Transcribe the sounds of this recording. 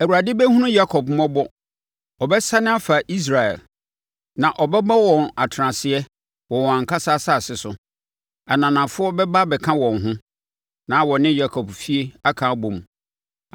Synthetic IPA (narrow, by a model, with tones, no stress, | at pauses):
ɛ˨wu˨ɾa˨dɪ˦bɛ˦hũ˦nʊ̃˦ja˦kʰɔ˨b̚m˦ɔ̃˦bɔ˦ | ɔ˨bɛ˦sa˦nɪ̃˦a˦fa˨ʔi˦s̬ɾa˨ɛ̰˨l | nã˨ʔɔ˨bɛ˦ba˦wɔ̃˨na˨tʰɾã˨sɪ˨ɛ˦ | wɔ̃˨wɔ̃˨ã˨ŋ̩˨kʰa˦sa˦˨sa˦˨sɪ˨sʊ˨˦ | a˨nã˨nã˨fʊ˦ɔ˦bɛ˦ba˦bɛ˨kʰã˦wɔ̃˨nɦʊ̃˦ | nã˨˦wɔ̃˨nɪ̃˦ja˦kʰɔ˨bfi˦e˦a˦kʰã˨˦bõ˨mũ˨